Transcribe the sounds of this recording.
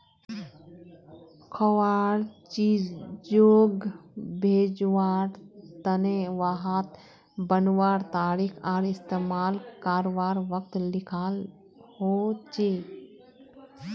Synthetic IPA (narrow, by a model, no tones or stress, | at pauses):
kʰəwaːɾt͡ʃid͡ʒoːɡbʱeːd͡ʒwaːɾt̪əneʋaːɦat̪ | bənwaːɾt̪aːɾikʰaːɾɪst̪eːmaːlkaːɾoʋaːɾʋək̚t̪lɪkʰaːl | hot͡ʃeː